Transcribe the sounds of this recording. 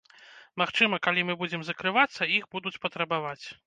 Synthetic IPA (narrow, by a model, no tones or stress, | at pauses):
maxt͡ʂɨmɐkalʲimɨbud͡zʲɛmzɐkɾɨvat̪sːɐixbud̪ut͡sʲpɐt̪ɾɐbavat͡sʲ